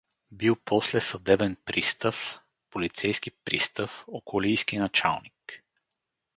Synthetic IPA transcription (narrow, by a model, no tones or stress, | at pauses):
bilˠpʰɔslɛsɐd̪ɛbɛnpɾist̪əf | polit̪sɛjskipɾḭst̪əfokolijsk̟inɐt͡ʃa̰lˠnik